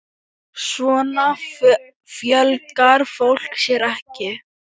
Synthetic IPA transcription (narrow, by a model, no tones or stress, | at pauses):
svɔːna | fjœlkkaɾ̥fowl̥ksjɛɾɛhcɪ